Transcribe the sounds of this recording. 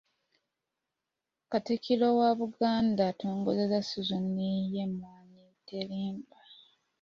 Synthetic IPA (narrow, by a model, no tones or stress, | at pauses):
katikilowaβuɡaːndatoːŋɡozezasuzunːijemːaːɲi | teliːmba